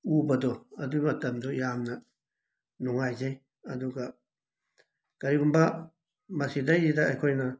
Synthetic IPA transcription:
ubad̪oad̪̬umãt̪and̪ojamnã | nũwãit͡ʃãĩ | ad̪uka | kaɾikumba | masid̪̬ait̪aʔakʷaĩnã

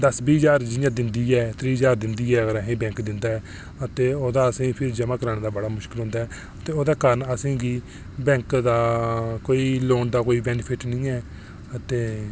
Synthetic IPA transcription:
d̪əsbiːd͡ʒaːɾd͡ʒɪãːd̪ɪnd̪iːɛːt̪ɾiːɦd͡ʒaːɾd̪ɪnd̪iːɛːəɡəɾəɦẽːbɛ̃ːŋkd̪ɪnd̪aːɛː | ət̪eːoːd̪aːəsẽːpʰɪɾd͡ʒəmaːkəɾaːñːd̪aːbəɽaːmʊʃkɪlɦʊ̃ːnd̪aːɛː | ət̪eːoːd̪aːkaːɾənəsẽːɡiː | bɛ̃ːŋkd̪aːkoːiːloːnd̪aːkoːiːbɛːnəpʰɪʈnĩːɛː | ət̪eː

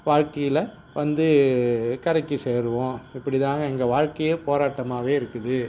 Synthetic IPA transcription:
ʋaːɻkɐjɪlɐ | ʋɐnd̪ɯkɐɾɐkːɯseːɾɯʋõːɪpːɐɽɪt̪aːŋɡɐɛŋɡɐʋaːɻkɐjepoːɾaːʈːɐmaːʋeːɪɾɯkːɯðɯ

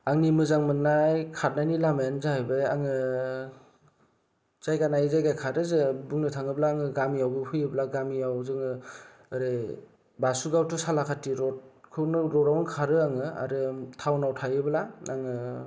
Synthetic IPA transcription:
aŋnimɯzaŋmɯnajkʰat̚najnilamenzabɯjaŋɯ | z̥ajɡanajzajɡajkʰaɾɯzɯbuŋnɯtʰaŋɯblaːŋɯɡamijawbɯpʰɯjɯblaɡamijawzɯŋɯː | ɾɯ | basuɡawtʰusalakʰatiɾɔt̚kʰɯwnɯɾɔɾawnɯkʰaɾɯaŋɯa̰ɾɯtʰawnawtʰajɯblaaŋɯ

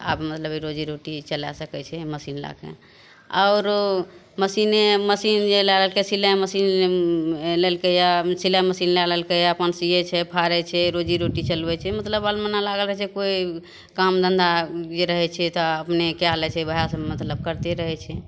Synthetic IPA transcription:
a̰bmət̪ləbiɾod͡ʒiɾoʈit͡ʃəla̰səkɛt͡ʃʰɛməsinla̰kḛ | a̰ʊɾ | məsineməsind͡ʒelɛləlkesilɛməsin | lelkejasilɛməsinlɛləlkɛjaəpənsiet͡ʃʰɛpʰaɾɛt͡ʃʰɛɾod͡ʒiɾoʈit͡ʃəlbɛt͡ʃʰɛmət̪ləbalmənalaɡəlɾəɦɛt͡ʃʰɛkoi | kamd̪ʱənd̪ad͡ʒeɾəɦɛt͡ʃʰɛt̪ɔəpnekealɛt͡ʃʰɛbʱəjasəmət̪ləb̚kəɾt̪eɾəɦɛt͡ʃʰɛ

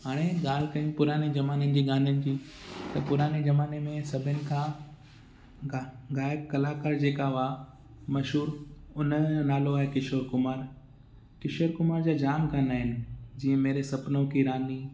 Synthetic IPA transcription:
ɦaːɽ̃eɠaːl̤kɐiũpʊɾaːned͡ʑɐmaːnənɪ̆d͡ʑiːɠaːnənɪ̆d͡ʑiː | t̪ɐpʊɾaːned͡ʑɐmaːnemẽsɐbʱɪnɪ̆kʰãː | ɡaːjəb̚kɐlaːkaːɾd͡ʑeːkaʋaː | mɐʃɦuːɾʊnnaːloaːɦekɪʃoːɾkʊmaːɾ | kɪʃoːɾkʊmaːɾd͡ʑaːd͡ʑaːmkʰãːnaːɦɪnɪ̆d͡ʑiːə̃meːɾesɐpnõkʰiɾaːni

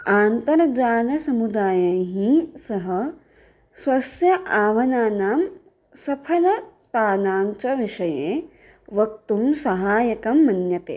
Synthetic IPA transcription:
aːnt̪ɐɾɐd͡ʒaːɾnɐsɐmud̪aːjɐɦĩsɐɦɐ | sʋɐsjɐʔaːʋɐnaːnaːm | sɐpʰɐlɐt̪aːnaːmt͡ʃɐʋiʃɐjeː | ʋɐk̚t̪umsɐɦaːjɐkɐmːɐnjɐt̪ḛː

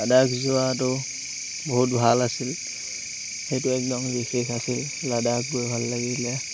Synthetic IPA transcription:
ladakzʊatʊ | boɦut̚bʱalasil | xejtʊɛk̚dɔŋzexʰekʰasil | ladak̚bojbʱalːaɡilɛ

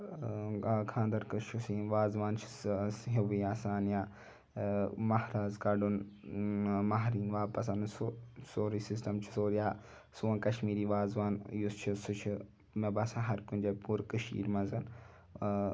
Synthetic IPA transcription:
kʰãːnd̪ɐɾkɐʃʰusiːʋaːzʋaːnt͡ʃʰi̥sɦeʋiːaːsaːnjaː | mɐhɾaːzkɐɖun | maɦɾiːnʋaːpɐs̬ɐnsosoːɾisisʈɐmt͡ʃʰi̥soːɾijaː | suɐ̃ːkɐʃmiːɾiːʋaːzʋaːnjust͡ʃʰisut͡ʃʰi | mẽbɐsãːɦɐɾkund͡ʒepuɾkəʃḭːɾmɐzɐn

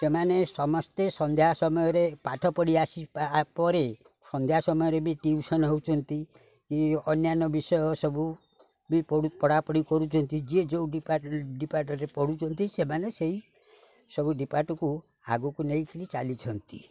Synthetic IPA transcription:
semanesɔmɔst̪esɔnd̪ʱjasɔmɔjɔɾepaʈʰɔpɔɽiasipɔɾe | sɔnd̪ʱjasɔmɔjɔɾebiʈiusɔnɦowt͡ʃʰɔnt̪i | kiɔnjanɔbisɔjɔsɔbu | bipɔɽupɔɽapɔɽikɔɾut͡ʃʰɔnt̪id͡ʒied͡ʒeuɖipaɖipaɾʈɔɾepɔɽut͡ʃʰɔnt̪isemaneseɦi | sɔbuɖipaʈɔku | a̰ɡɔkuneĩkiɾit͡ʃalit͡ʃʰɔnt̪i

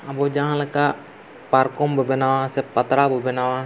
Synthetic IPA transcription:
abod͡ʒaŋaləkaʔ | parkɔmbəbɛnawasɛpat̪ɾabəbɛnawa

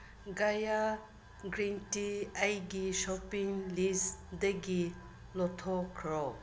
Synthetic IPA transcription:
ɡaja | ɡɾintiɐjɡiʃɔpiŋlisdɐɡi | lɔtʰɔkʰɾɔ

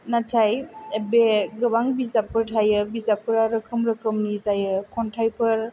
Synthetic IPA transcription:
natʰajebeɡɯbaŋbizapʰɯɾtʰajɯbizapʰɯɾaɾɯkʰɯmɾɯkʰɯmnizajɯkʰɔntʰajpʰɯɾ

